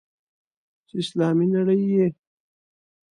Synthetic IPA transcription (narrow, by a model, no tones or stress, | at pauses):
t͡ʃɪslɑːminaɽəjːe